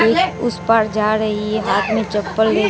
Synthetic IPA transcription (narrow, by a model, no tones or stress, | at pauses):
eːkʊspaːɾd͡ʒaːɾəɦiɛɦaːt̪ʰmẽt͡ʃəpːəlɾeː